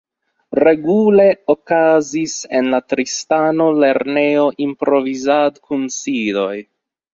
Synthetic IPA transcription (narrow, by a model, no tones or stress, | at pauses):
ɾe̞ɡule̞okazise̞nlatɾistano̞le̞ɾne̞o̞ʔimpɾo̞vizadkʰunsilo̞j